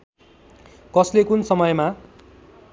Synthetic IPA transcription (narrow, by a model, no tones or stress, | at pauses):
kʌslekunsʌmʌjma